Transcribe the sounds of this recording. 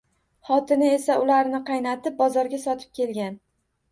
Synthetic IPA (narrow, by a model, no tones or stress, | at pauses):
χɒt̪ʰɪnɪe̞saʊlaɾnɪqʰɑjnat̪ɪp̚bɒzɒɾɡʲasɒt̪ʰɪ̥p̚kʲʰe̞lɡʲan